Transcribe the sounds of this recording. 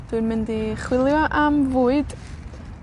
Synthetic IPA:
d̥wɨnmɪndiχwɪlˠjɔʔamvuːɨd̥

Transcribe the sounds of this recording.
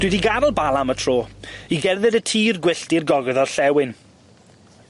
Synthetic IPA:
d̥wɪdiɡaɾɔlˠbalˠamətʰr̥oːiɡɛrðɨdətʰiːrɡwɪɬtirɡɔɡɛðɔrɬɛwɪn

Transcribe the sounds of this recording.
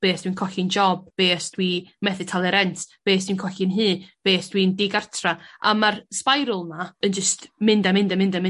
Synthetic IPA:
b̥eːsd̥wiːnkʰɔɬɪnd͡ʒɔb̚b̥eːsd̥wimɛθɪtʰalˠɛɾɛntʰb̥eːsd̥wiːnkʰɔɬɪnɦɨːb̥eːsd̥windɪɡartʰraa̰marspajɾʊlˠnaənd͡ʒəstʰmɪndamɪndamɪndamɪ̃

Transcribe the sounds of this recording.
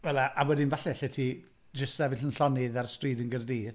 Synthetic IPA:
vɛlˠaʔawɛdɪnvaɬɛɬɛtʰi | d͡ʒəsɛvɪɬənɬɔnɪðarstriːdənɡərdiːð

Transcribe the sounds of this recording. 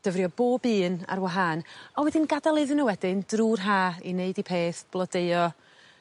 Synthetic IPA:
d̥əvrjɔboːbɨːna̰rwaɦanɔwɛdɪnɡadalˠɨðɨnəwɛdɪndruːrɦaːineɨdipʰeːθb̥lˠɔdeɨɔ

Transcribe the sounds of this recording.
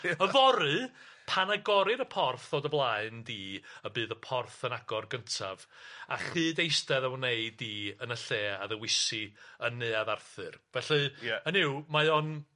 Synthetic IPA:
əvɔɾɨpʰanaɡɔɾɨɾəpʰɔrθoːdəblˠaɨndiːəbɨːðəpʰɔrθənaɡɔrɡəntʰava̰χɨːdejstɛðawneɨdiənəɬeːaðəwɪsiənːɨːaðarθɨrvɛɬɨənɪwmaɔn

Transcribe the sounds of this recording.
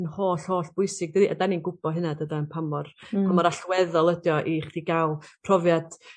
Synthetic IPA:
ənhoːɬhoːɬb̥ʊjsɪɡ̚dədiʔa̰daninɡʊb̥ɔɦɨnadədaənpʰamɔrpʰamɔɾaɬwɛðɔlˠədjɔʔiχd̥iɡalˠpʰrɔvjad̥

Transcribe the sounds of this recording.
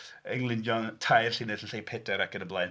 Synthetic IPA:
əŋlˠɪnjɔntʰajrɬinəsən̩ɬejpʰedɛɾakənəblˠaj

